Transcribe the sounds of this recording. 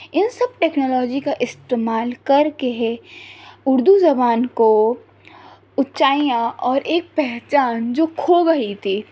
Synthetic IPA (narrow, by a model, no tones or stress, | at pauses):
ɪnsɐb̚ʈeːknɔːlɔːd͡ʒikaʔɪst̪eːmaːlkɐɾkeɦe | ʊɾd̪uzɐbaːnko | ʊt͡ʃaːijãʔɔːɾʔeːk̚pɛɦt͡ʃaːnd͡ʒoːkʰoːɡɐit̪ʰiː